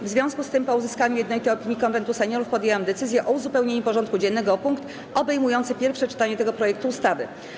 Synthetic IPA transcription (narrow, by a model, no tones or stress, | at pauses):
vzvʲjɔ̃w̃skust̪ɘmpɔuzɘskaɲujɛd̪nɔlʲit̪ɛjɔpʲiɲjikɔnvɛnt̪usɛɲjɔɾufpɔd̪jewamd̪ɛt̪sɘzʲjɛʔɔuzupɛwɲeɲupɔʐɔnt̪̚kud͡ʑɛnːɛɡɔpuŋkt̪ | ɔbɛjmujɔnt̪sɘpʲjɛɾfʂɛt͡ʂɘ̥t̪aɲɛt̪ɛɡɔpɾɔjɛk̚t̪uːst̪avɘ̰